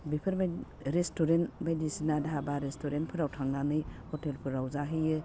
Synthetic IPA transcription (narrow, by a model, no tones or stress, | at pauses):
bipʰɯɾba | ɾestuɾenbajdisinadabaɾestoɾentpʰɯɾawtʰaŋnanɯjhɔtelpʰuɾawzaɦɯjɯ